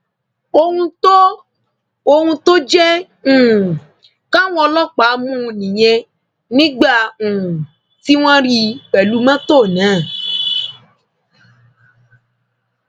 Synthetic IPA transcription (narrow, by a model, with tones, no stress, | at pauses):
o˧ŋũ˦t̪o˦ | o˧ŋũ˧t̪o˦d͡ʒɛ˦ | ŋ̩̃˨ | kã˦w̃ɔ̃˧lɔ˦k͡pa˨˦mũ˦˨nĩ˨ɲɛ̃˧ | nĩ˦ɡ͡ba˦ŋ̩̃˨ | ti˦w̃ã˦ɾi˦k͡pɛ˨lu˦mã˦t̪o˦˨nãː˨˦˨